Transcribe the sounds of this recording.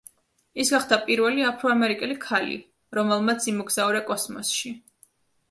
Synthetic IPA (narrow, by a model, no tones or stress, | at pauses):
isɡaχd̪apʼiɾvɛliapʰɾɔamɛɾikʼɛlikʰalḭ | ɾɔmɛlˠmat̪sʰimɔɡz̥aɔɾɛkʼɔsmɔ̰sʃi